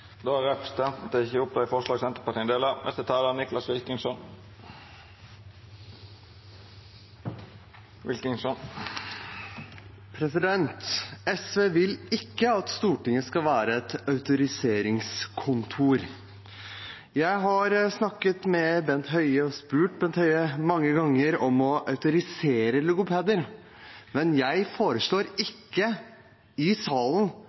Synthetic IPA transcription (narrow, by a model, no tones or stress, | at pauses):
d̪oːæʁɛpəst̪ʰɛnt̪n̩t̪əɪçəʊp̚d̪ɑɪfɔʂlɑːɡsɛnt̪əpɑʁʈ̪ʰiːnd̪eːləmʔɛ̰st̪ət̪ʰɑːlənɪklɑsʋɪlkɪŋsɔn | ʋɪlkɪŋsɔn | pʰɾɛsɪd̪ɛnt̪ɛsʋeːʋɪlɪkːəɑt̪st̪uːʈɪŋːəskɑʋæːɾəɛt̪ɑʉt̪ʊɾɪseːɾɪŋskʰʊnt̪ʰuːɾ | jæɪɦɑɾsnɑkːət̪mɛbɛnt̪ɦœʏəɔspʉːʈbɛnt̪hœʏəmɑŋːəɡɑŋːəɾɔmɔʔɑʉt̪ʊɾɪseːɾəlʊɡʊpʰeːd̪əɾ | mɛnjæɪfoːɾəʂɭoːɾɪkːə | ɪsɑːlən